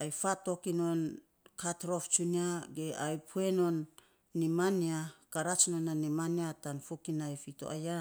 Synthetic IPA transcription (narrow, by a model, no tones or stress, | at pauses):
ajfato̞kino̞n | katɾoft͡ʃuniaɡeʔajpʰueno̞nː | imaniakaɾat͡ʃnonanimaniatanfukinajfito̰ʔaja